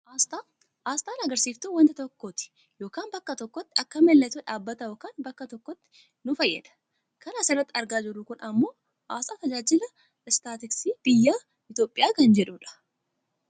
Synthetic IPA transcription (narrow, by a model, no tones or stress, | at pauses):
ʔast̪a | ʔaːst̪ʼaːnɐɡɐɾsiːft̪uwɐnt̪ɪt̪ɔkːoːt̪ɪ̥ | jo̞ːkaːnbɐkːɐt̪ɔkːɔt̪ːɪɐkːɐmɛlːɛt̪uᶑaːbːɐt̪ɐjoːkaːnbɐkːɐt̪ɔkːɔt̪ːɪ̥ | nʊfɐjːɛ̰ᶑ̪ɐ̥ | kɐnaːsɪrːɐt̪ːɪɐɾɡaːd͡ʒɪɾʊkʊnɐmːo̞ː | ʔaːst̪ʼaːt̪ɐd͡ʒaːd͡ʒɪlɐ | ɪst̪aːt̪ɪksiːb̥ɪjːaː | ɪt̪o̞ːpʼːɪjaːkɐnd͡ʒɛᶑuːᶑɐ̥